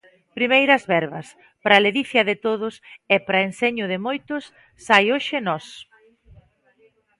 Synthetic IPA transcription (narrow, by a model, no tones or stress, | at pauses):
pɾimejɾɐzβɛɾβɐs | pɾaleðiθjɐðɪt̪oðʊsɛpɾɐenseɲʊðɪmojt̪ʊsː | ajoʃɪnɔs